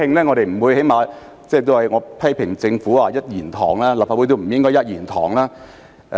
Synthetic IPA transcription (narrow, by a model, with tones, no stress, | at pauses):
ɪ˧ŋlɛː˥ŋɔ˨˧ɾe˨jm̩˨˩wuː˨˧jhe˨˥jmaː˨˧ | t͡sɛː˥˧t̪̬o˥hɐ˨jŋɔː˨˧pʰɐ˥jpʰɪ˨˩ŋt͡sɪ˧ŋfuː˨˥aː˧jɐ˥t̚jiː˨˩nt̪ʰɔ̰ː˨˩ŋlaː˥la˨p̚faː˧˨wjt̪̬o˥m̩˨˩jɪ˥ŋkɔː˥jɐ˥t̚jiː˨˩nt̪ʰɔː˨˩ŋlaː˥˨